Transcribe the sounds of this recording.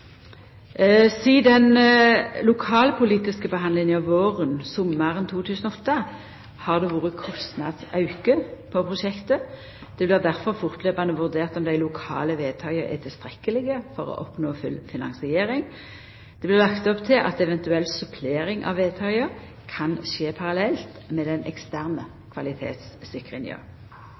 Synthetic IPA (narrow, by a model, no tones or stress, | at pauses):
siːd̪ɛn | lʊkʰɑːlpʰʊliːt̪ɪskəbəɦɑnd̪lɪŋənjɑʋoːʁənsɔmːəʁənt̪ʰuːt̪ʰʉːsənɔɔt̪ːə | hɑʁd̪ɛʋuːʁəkʰɔst̪nɑ̰d̪sɑʉkəpʰɔpʰʁʊʃɛkt̪ə | d̪̥ɛblɪʁd̪æʁfɔʁfʊʁt̪leːbɑnəʋʉʁd̪eːʁt̪ɔmd̪æɪlʊkʰɑ̰ːləʋeːt̪ʰɑɪəʁɛ̰t̪ʰɪlst̪ʁɛkːəlɪɡəfɔʁɔ̰ʔɔpnoːfʉlfɪnɑ̰ŋsɪeːʁɪŋ | d̪̥ɛblɪʁlɑkt̪ɔpt̪ʰɪlʔɑ̰t̪ɛʋɛnt̪ʉɛlsʉpʰleːʁɪŋʔɑ̰ʋeːt̪ʰɑɪəʁ | kʰɑnʃeːpʰɑʁɑlɛlt̪mɛd̪ɛnɛkst̪æʁnə | kʰʋɑlɪt̪ʰḛːt̪sːɪkʁɪ̰nɪə̰